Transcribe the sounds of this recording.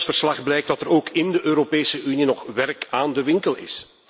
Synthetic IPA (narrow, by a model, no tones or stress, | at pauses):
sfərslɑxblɛjk̚tdɑtəɾoːkʰɪndəʔøːɾopeːsəʔyninɔxʋɛrkaːndəʋɪŋkəlɪ̰s